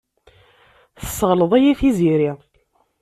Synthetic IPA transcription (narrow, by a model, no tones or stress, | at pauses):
θə̥sːəʁləðˤæjæθiziɾi